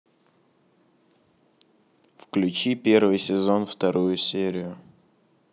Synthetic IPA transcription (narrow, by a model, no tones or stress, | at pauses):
fklʲʉt͡ɕipʲervɨjsʲɪzo̞nft̪ɐɾujʊsʲeɾʲɪjʊ